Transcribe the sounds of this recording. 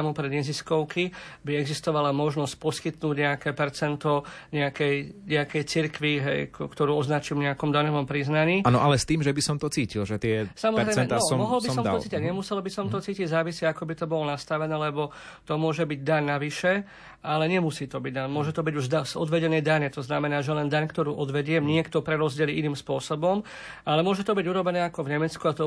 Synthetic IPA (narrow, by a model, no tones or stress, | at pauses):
mupɾɛd̪ɲɛziskɔʊkibiɛɡzist̪ɔʋalamɔʒnɔsc̚pɔskit̪nuːɟɲɛakɛːpɛɾt͡sɛnt̪ɔ | ɲɛakɛjɲɛakɛjt͡siɾkʋiɦɛ̰jkt̪ɔɾuːɔznat͡ʃilɲɛakɔmd̪aɲɔʋɔmpɾiznaɲiːanɔʔalɛst̪iːmʒɛbisɔmt̪ɔt͡siːcilʒɛt̪ɪɛsamɔzɾɾɛɛɛnaɔmɔɦɔlbisɔm̰ɔt͡siːcaɲɛmusɛlbisɔmt̪ɔt͡siːciɟzaːʋisɛakɔbit̪ɔbɔlɔnast̪aʋɛnɛːlɛbɔ | t̪ɔmʊɔʒɛbiɟd̪aɲnaʋiʃɛ | alɛɲɛmusiːt̪ɔbiɟnamʊɔʒɛt̪ɔbiɟuʒd̪aɔ̰d̪ʋɛɟɛnɛjd̪aɲɛt̪ɔznamɛnaːʒɛlɛnd̪aɲkt̪ɔɾuːʔɔd̪ʋɛɟɪɛmɲɪɛkt̪ɔpɾɛɾɔzɟɪɛliʔiniːmspʊɔsɔbɔm | alɛmʊɔʒɛt̪ɔbiɟuɾɔbɛnɛːakɔvɲɛmɛt͡skuat̪ɔ